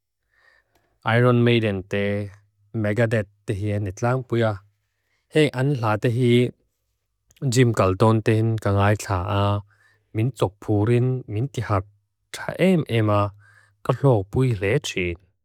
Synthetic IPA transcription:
ʔajɾɔnmejdɛnt̪ɛ | mɛɡadɛt̪ːeɦianɛt͡ɬaːŋpujaː | hɛŋʔanɬaːt̪ɛɦi | zimkalt̪ɔːnt̪ɛhinkaŋaːjɬʰaːʔaː | mint͡sɔk̚pʰuːɾinminkihat̚ | tʰaʔɛmʔɛma | kaɬɔːpujlɛtʰiː

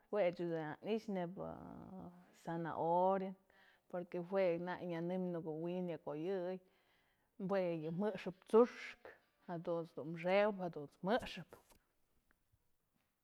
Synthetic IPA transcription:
hwet͡ʃudea̰niʃnebɨ̰ | sana̰ʔoɾen | poɾkeɦwenajɲanɨmnukuwinjakojɨj | mbwejɨmɨʔʂɨp̚t͡suʂk | had̪unt͡sd̪unʂewphad̪unt͡smɨʔʂɨp

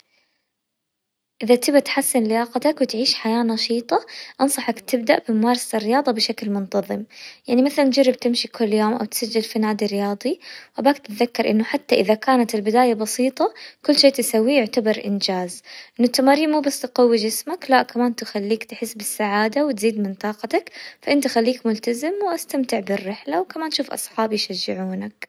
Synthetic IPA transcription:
ʔɪðat̪ɪbat̪ħasːɪnlɪjɑːqɑt̪akwɪt̪ʕiːʃħajaːnɑʃiːt̪ˤɑʔɑnsˤɑħɑkt̪ɪbd̪aʔbɪmʊmɑːɾˤɑsaɪrːɪjɑːðˤɑbɪʃaklmʊnt̪ɑðˤɨmjaʕnimaθaland͡ʒɑrˤːɪbt̪ɪmʃikʰʊlːjoːmʔa̰wt̪sad͡ʒːɪlfanaːd̪irɪjɑːðˤiwʔabaːkt̪ɪt̪ðakːɑɾˤʔɪnːʊħat̪ːaʔɪðakaːnat̪ɪlbɪd̪aːjabɑsiːt̪ˤɑkʊlːʃeːt̪ɪsawːijʊʕt̪abɑɾʔɪnd͡ʒaːzʔʔɪnːʊt̪ːamaːɾiːmmuːbasːt̪qawːid͡ʒɪsmaklaʔkamaːnt̪ɪxalːiːkt̪ħɪsːbɪsːaʕaːd̪awɪt̪ziːd̪mɪnt̪ˤɑːqɑt̪akfaʔɪnt̪ɪxalːiːkmʊlt̪azɪmwʔast̪amt̪ɪʕbɪrːɪħlawkamaːnt̪ʃuːfʔɑ̰sˤħɑːbjʃad͡ʒːɪʕuːnak

